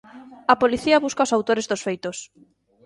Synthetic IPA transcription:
ɐpoliθiɐβuskaosawt̪oɾezðosfejt̪os

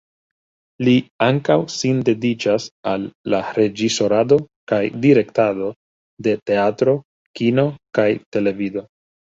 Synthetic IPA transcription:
liaŋkawsinde̞dit͡ʃasalːaɾe̞d͡ʒiso̞ɾado̞ | kajdiɾe̞ktado̞ | de̞te̞atɾo̞ | kino̞kajte̞le̞vido̞

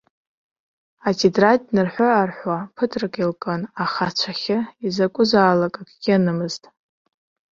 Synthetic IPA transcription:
atʰidratʼnɨrħʷoarħʷwapʰɨtʰrɨkʼilkʼanaχat͡ɕʷʰaχʲɪizakʷʼʊzaːlakʼakʰʼɡʲɪanɨmɨztʼ

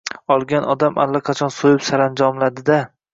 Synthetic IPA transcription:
ɒlˠɡʲanɒd̪amʔa̰lːaqʰɑt͡ʃʰɒnsojɪpsaɾand͡ʒɒmlad̪ɪd̪a

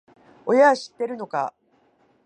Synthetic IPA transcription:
o̞jaɕi̥t̪ːe̞ɾɯ̟no̞ka̰

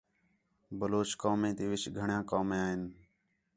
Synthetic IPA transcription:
bəloːt͡ʃkaːmẽːt̪iːʋɪt͡ʃɡʱəɳjãːkaːmẽːaːɦɪn

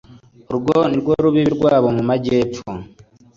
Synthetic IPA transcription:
ɾuɡoniɾɡoɾuβiβiɾɡwaːβo̞mumaɟeːpp͡fu

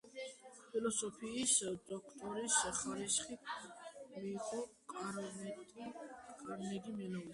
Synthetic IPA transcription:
pʰilɔsɔpʰiːsd̪̥ɔkʰt̪ʼɔɾisχaɾisχit̪ʰmiːqʼɔ | nʼ | kʼaɾnɛɡimɛnɔi

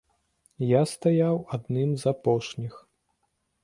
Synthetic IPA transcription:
jast̪ajawad̪nɨmzapɔʂnʲix

